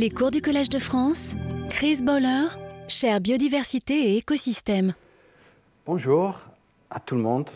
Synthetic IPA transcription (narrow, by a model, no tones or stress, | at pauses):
lekuʁd̪ykɔlɛʒd̪əfχɑ̃skχizbɔlœʁʃɛʁbjod̪ivɛʁsit̪eːkɔsist̪ɛm | b̥ɔ̃ʒuːʁ | at̪ulmɔ̃d̪